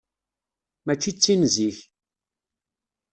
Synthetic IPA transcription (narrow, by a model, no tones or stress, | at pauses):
mæt͡ʃːit͡sːinziç